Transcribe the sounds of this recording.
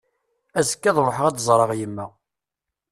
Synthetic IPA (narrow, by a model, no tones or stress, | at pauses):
æzə̥kːæðˤɾˤoħəʁæd̪zˤɾˤɑʁjəmːæ